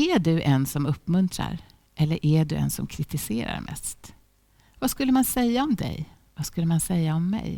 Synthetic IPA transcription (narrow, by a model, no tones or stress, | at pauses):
æɖɵʔɛnsɔmɵpːmɵnt̪ʰɾa̰ɾ | ʔɛlːəɾʔæɖɵɛ̰nsɔmkʰɾɪt̪ɪseːɾa̰ɾmʔɛ̰st̪ | vaskɵlːəmansɛjːaɔmd̪ɛ̰j | vaskɵlːəmansɛjːaɔmːɛ̰j